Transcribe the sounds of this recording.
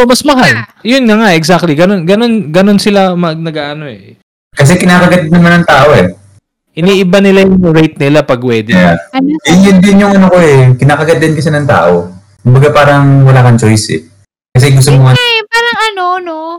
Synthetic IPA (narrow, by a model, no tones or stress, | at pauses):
omɐsmɐɦaljʊnŋɐŋaʔɛksak̚t̪liɡɐno̞nɡɐno̞nɡɐno̞nsɪlamɐnɐɡaːʔɐno̞ɛ | kɐs̬ɛkɪnaːkɐɡɐd̪̚nɐmanːɐŋt̪aːʔo̞ʔɛ | ʔɪniːʔɪbanɪlajʊŋɹejt̪̚nɪlapɐɡ̚wɛːd̪ɛ | ɪnɪnd̪ɪnjʊŋʔɐnokoɛkɪnaːkɐɡɐd̪ɪnkɐsɛnɐŋt̪a̰ːʔo̞ | kʊmbɐɡapaːɾɐŋwɐlaːkɐnt͡ʃo̞jsɛ̰ | kɐs̬ɛɡʊs̬t̪omoŋaaːɾɐŋɐnono